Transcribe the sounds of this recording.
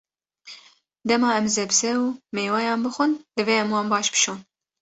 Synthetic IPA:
d̪ɛmɑːɛmzɛbsɛumeːwɑːjɑːnbɨxʷʊnd̪ɨveːɛmwɑːnbɑːʃbɨ̥ʃoːn

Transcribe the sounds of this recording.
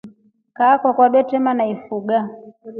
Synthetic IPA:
kaːkɔkwaɓɛtɛmanaifuɡa

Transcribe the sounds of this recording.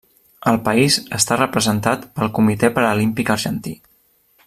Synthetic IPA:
əlˠpəizəst̪arəpɾəzənt̪at̪pəlˠkumit̪epəɾəlimpikəɾʒənt̪ḭ

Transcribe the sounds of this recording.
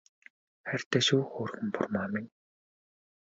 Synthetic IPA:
χær̥ʲt̪eːʃuːxoːrxɘ̆mpʊ̰rmaːmɪ̆ŋ

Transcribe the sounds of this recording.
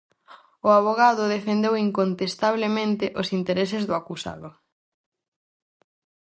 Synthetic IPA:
ʊaβ̞oɣaðʊðefend̪ewiŋkont̪est̪aβ̞lemẽnt̪ɪʔosint̪eɾesɪzðʊakusa̰ðʊ

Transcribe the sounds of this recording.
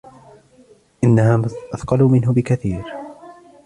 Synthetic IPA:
ʔɪnːahaːʔaθqɑluːmɪnɦʊbɪkaθiːɾ

